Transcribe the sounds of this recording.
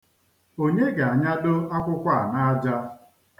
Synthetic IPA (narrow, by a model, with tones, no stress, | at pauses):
o˦ɲe˦ɡa˨a˨ɲa˦do˦a˦kʷʊ˦kʷa˦a˨na˦d͡ʒa˦